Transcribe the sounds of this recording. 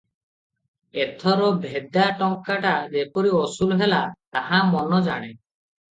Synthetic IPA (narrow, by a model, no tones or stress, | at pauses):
et̪ʰɔɾɔbʱed̪jaʈɔŋkaʈad͡ʒepɔɾiɔsulɦelat̪aɦamɔnɔd͡ʒaɽ̃e